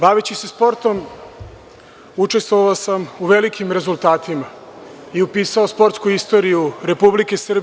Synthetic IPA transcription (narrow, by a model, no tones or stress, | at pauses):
baʋet͡ɕise̞spo̞ɾt̪o̞m | ut͡ʃe̞st̪ʋoʋaosamuʋe̞likʰimɾe̞zulˠt̪aːt̪ima | iupiːsaospo̞ɾt̪skuist̪o̞ɾijuɾe̞publike̞sr̩b